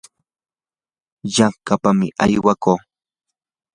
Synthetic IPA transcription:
jaŋkapamɪʔajwakoː

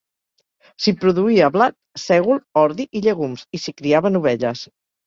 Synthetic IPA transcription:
sipɾuðuiəβlat̪̚sɛɣulˠɔɾðiʔiʎeɣumsisikɾiaβənuβ̞ɛʎəs

